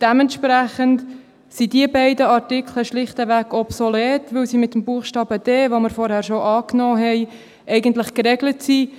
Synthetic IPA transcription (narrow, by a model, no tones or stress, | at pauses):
d̥ɛmɛntʃpræχənt | sidiəbɛɪdəɑrtɪkʰləʃlɪχtəʋæɡɔpsɔlɛːtʋɵwsimɪt̪ːəmbuəχʃtɑːbəd̥ɛːʋoməɾfɔɾhæːɾʃoʔɑːknɔːɦɛɪ | ʔɛɪɡəntlɪχkɾɛɡlətsi